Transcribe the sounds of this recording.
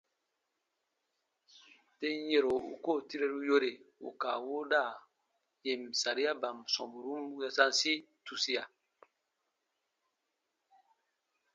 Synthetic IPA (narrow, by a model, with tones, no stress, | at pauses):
te˦n˦je˨ɾo˨ṵ˦ko˦˨ti˦ɾe˦ɾu˦jo˦ɾe˨ṵ˨ka˨wo˦da˦˨ | je˨msa˨ɾi˦a˦ba˨msɔ̰̃˨bu˨ɾu˦m˦ja˦sã˦n˦si˦ | tu˨si˦a˨